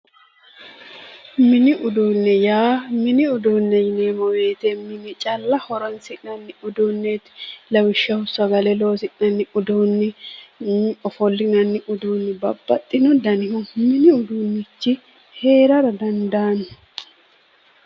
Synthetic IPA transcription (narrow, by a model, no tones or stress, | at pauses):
mɪnɪʔʊd̪uːnːɛjaːmɪnɪʊd̪uːnːɛjɪnemɔweːt̪ɛmɪnɪt͡ʃʼɐlːɐhɔɾɔnsɪnɐnːɪʊd̪uːnːɛt̪lɐwɪʃːɐhʊsɐɡɐlɛloːsɪnɐnːɪʔʊd̪uːnːɪ | ɔfɔlːɪnɐnːɪʔʊd̪uːnːɪbɐbːɐt̪ʼːɪnɔd̪ɐnɪhʊmɪnɪʊd̪uːnːɪt͡ʃːɪ | he̞ːɾɐɾɐd̪ɐnd̪aːn